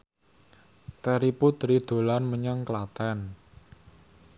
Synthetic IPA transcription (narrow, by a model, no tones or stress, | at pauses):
t̪ɛɾiput̪ɾid̪̥o̤lanməɲaŋklat̪ɛn